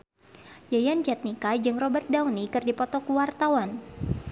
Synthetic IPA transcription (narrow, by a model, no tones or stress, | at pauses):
jajant͡ʃɛt̪̚nikad͡ʒɨŋrɔbart̪̚dawnikɨrdipɔt̪ɔkuwart̪awan